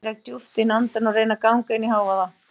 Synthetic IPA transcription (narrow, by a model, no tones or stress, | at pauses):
ɾajk̚t̪juft̪ɪnant̪anɔrejnakawŋkejniɦawvaða